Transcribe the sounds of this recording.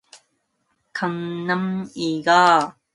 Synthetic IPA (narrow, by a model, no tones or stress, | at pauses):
kʰaŋnamiɣaː